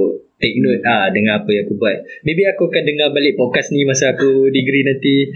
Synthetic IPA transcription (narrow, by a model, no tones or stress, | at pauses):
t̪ɛk̚not̪̚adəŋãnapəjãŋakubuat̪̚mẽbiakuakandəŋabalɪʔ̚pokasnimasaːkudiɡɾinant̪i